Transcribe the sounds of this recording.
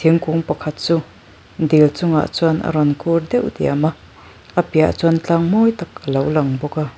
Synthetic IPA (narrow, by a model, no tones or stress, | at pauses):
t̪ʰiŋkuŋpɐkʰɐt̪̚t͡su | nd̪ilt͡sʊŋa̰ʔt͡sunʔɐ̰ɾɔnkʰurd̪ɛwd̪ḭamaʔ | ʔɐpia̰ʔt͡sɔant͡ɬaŋmɔjt̪akəlowlɐŋbɔka